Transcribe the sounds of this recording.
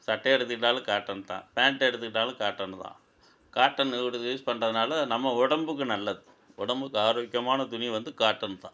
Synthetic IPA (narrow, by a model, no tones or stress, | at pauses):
sɐʈːɐɛɾɯt̪̬ːɯkːɪʈːaːlɯ̃kaːʈːɐnt̪ã̰ːpeːɳʈɛɾɯt̪̬ːɯkːɪʈːaːlɯ̃kaːʈːɐnt̪ã̰ː | kaːʈːɐnɽɯuːspɐɳːrɐðɯnaːlɐnɐmːɐʊɽɐmbɯk̬ːɯnɐlːɐðɯ | ʊɽɐmbɯkːɯaːɾoːɪkːjɐmaːnɐd̪ʊnɪjʋɐnd̪ɯkaːʈːɐnt̪ã̰ː